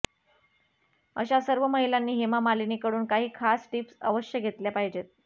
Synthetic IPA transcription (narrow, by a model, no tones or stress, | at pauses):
ə̰ɕasəɾʋəməɦilanːiːɦemamaliniːkəɽuːnkaɦiːkʰasʈipsə̰ʋəɕjəɡʱet̪ljapaɦid͡ʑet̪̚